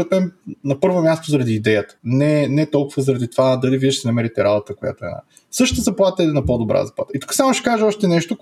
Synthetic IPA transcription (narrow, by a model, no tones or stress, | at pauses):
ɾɛt̪mɛnnɐpɤɾvomʲjast̪ozɐɾɐd̪iːd̪ɛjət̪ə̥nɛnɛt̪ɔlˠkʊvəzɐɾɐd̪it̪ovad̪ɐliviɛʃsɛnɐmɛɾit̪ɛɾabot̪əkoʊja̰t̪oɛ̰na̰ | sɤʃə̥t̪əzɐplˠat̪əɛɛnɐpod̪obɾa̰zɐpla̰t̪it̪u̥kə̥samoʃɛ̥kaʒeɔʃt̪ɛnɛʃt̪o